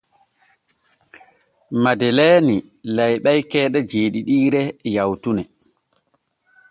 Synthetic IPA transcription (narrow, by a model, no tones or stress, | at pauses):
madɛlɛːni | lajɓajkɛːɗɛd͡ʒeːɗiɗiːɾɛjawtunɛ